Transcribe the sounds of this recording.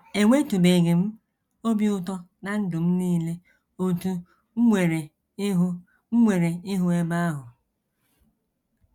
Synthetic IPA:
e˨ŋʷe˦tu˨be˨ɡe˨m̩˦ | o˦bi˦ʊ˦tɔ˦na˦n̩˦dʊ˨m̩˦niː˦le˦ | o˨tu˨˦ | ŋʷe˨ɾe˨˦ | ɦ̩˦ | ŋʷe˨ɾe˨ɪ˦ɦʊ˦e˦ba˦a˦ɦʊ˨

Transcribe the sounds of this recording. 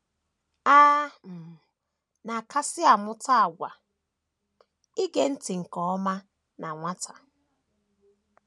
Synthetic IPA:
aː˦m̩˨ | na˨ka˦sɪ˦a˨mʊ˦ta˦a˨ɡʷa˨ | i˦ɡe˦n̩˦tɪ˨ŋ̩˨kɔ˨ɔ˦ma˦ | na˨ŋʷa˦tʰa˨

